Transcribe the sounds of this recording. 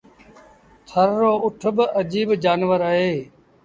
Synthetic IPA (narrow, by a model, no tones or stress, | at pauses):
t̪ʰəɾːoːʔʊʈʰbəd͡ʒiːbd͡ʒaːnʋəɾaːɦeː